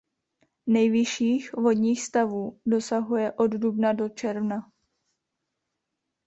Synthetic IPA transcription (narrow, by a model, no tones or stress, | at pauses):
nɛjvɪʃiːxvo̞dɲiːxst̪avuːdo̞saɦujɛʔo̞ddubnado̞t͡ʃɛɾvna